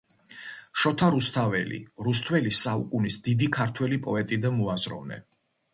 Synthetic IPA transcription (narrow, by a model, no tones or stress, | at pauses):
ʃɔt̪ʰaɾust̪ʰavɛ̰lḭɾust̪ʰwɛlisaṵkʼunisd̪id̪ikʰaɾt̪ʰwɛlipʼɔɛt̪ʼid̪anmuazɾɔ̰vnɛ̰